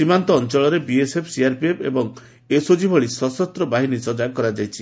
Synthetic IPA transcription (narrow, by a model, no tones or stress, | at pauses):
simant̪ɔːnt͡ʃɔɭɔɾebiesepʰsiaɾpiepʰḛbɔŋ | esod͡ʒibʱɔɭisɔsɔst̪ɾɔbaɦinisɔd͡ʒakɔɾad͡ʒajt͡ʃʰi